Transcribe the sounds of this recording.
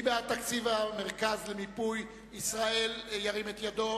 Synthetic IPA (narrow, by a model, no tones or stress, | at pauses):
beat̪akt͡sivameʁkazlemipuj | isʁaeljaʁimet̪jado̞